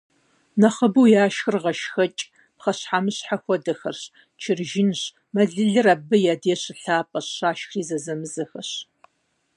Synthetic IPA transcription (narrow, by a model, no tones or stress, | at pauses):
nɐχɐbɨwjaːʃxɨrʁɐʃxɐt͡ʃʼ | pχɐɕħaːmɨɕħaxʷɔdɐxɐrɕ | t͡ʃʰɪrʒɪnɕ | mɐɮɨɮɨraːbɨjaːdeːɕɪɬaːpʼɐɕɕaːʃxriːzɐzɐmɨzɐxɐɕ